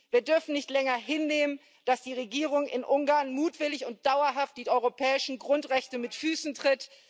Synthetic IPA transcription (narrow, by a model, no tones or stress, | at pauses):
viːɐdʏɐfn̩nɪçtlɛŋɐɦɪnːeːmən | d̥asd̥iːʁ̞eɡiːʁ̞ʊŋɪnʔʊŋɡaːɐnmuːtv̥ɪlɪçʊnt̚d̥aʊɐɦaft̚d̥iːʔɔʏʁopʰɛːɪʃn̩ɡʁʊntʁɛçtəmɪtfyːsn̩tʁ̥ɪt